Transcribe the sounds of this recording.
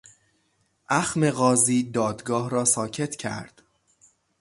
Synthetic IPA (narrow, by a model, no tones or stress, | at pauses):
ʔæxme̞ɣɒːziːd̪ɒːd̪ɡɒːhɾɒːsɒːcʰe̞t̪ʰcʰæ̰ɾd̪̥